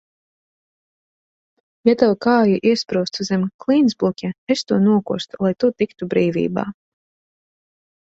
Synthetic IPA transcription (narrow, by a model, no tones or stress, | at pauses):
jat̪awkaːjiʔiɛspɾuːst̪zʲɛmklˠiːnzbukʲɛest̪uɔnuɔkṵɔst̪ulˠajt̪ut̪ikt̪ubɾiːvʲḭːba̰ː